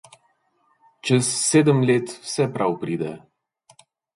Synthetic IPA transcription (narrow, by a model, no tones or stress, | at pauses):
t͡ʃəsːed̪əmlet̪sepɾawpɾid̪e